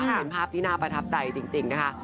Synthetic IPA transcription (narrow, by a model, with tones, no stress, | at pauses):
e˨˩˦npʰaː˥˩p̚t̪ʰiː˥˩naː˥˩pɾa˧t̪ʰa˦˥p̚t͡ɕa˧jt͡ɕi˧ŋt͡ɕi˧ŋna˦˥kʰa˦˥ʔ